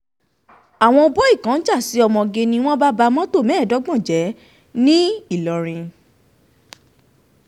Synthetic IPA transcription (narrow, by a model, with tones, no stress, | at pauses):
a˨w̃ɔ̃˧o˧bɔ˦i˦˨kã˨˦d͡ʒa˦˨si˨˦ɔ˧mɔ̃˧ɡe˧nĩ˧w̃ɔ̃˦ba˦ba˧mɔ̃˦to˦˨mɛ̃ː˨˦˨dɔ˨˦ɡ͡bɔ̃˦˨d͡ʒɛ˨˦ | nĩ˦i˦˨lɔ˨ɾ̃ĩ˧